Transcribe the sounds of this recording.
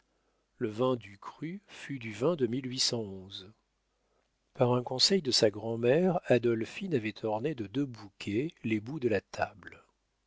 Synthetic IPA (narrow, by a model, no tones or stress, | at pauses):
ləvɛ̃d̪ykχyfyd̪yvɛ̃d̪əmilɥisɑ̃ɔ̃z | paʁɛ̃kɔ̃sɛjd̪əsaɡʁɑ̃mɛʁad̪ɔlfinavɛt̪ʰɔʁned̪əd̪øbukʲʰelebud̪əlat̪ʰabl